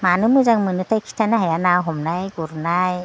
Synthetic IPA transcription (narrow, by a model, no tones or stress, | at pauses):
manɯmɯzaŋmɯnɯtʰajkʰi̥tʰanahajanawɦɔmnajɡuɾnaj